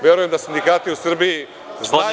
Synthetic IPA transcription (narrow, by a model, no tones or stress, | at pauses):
vɛɾuẽmd̪ɐsĩnd̪ikat̪iusɨɾβi | zɔa